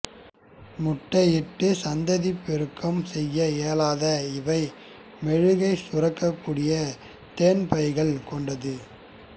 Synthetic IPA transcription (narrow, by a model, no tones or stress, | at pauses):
mʊʈːɐjɪʈːɯsɐnd̪ɐðipːɛɾɯkʰːɐmsɛjːɐeːlaːðɐɪʋɐɪ | mɛɻɯɣɐɪsʊrɐkːɐkːuːɽɪjɐ | t̪eːnpɐɪɣɐɭkɔɳɖɐðɯ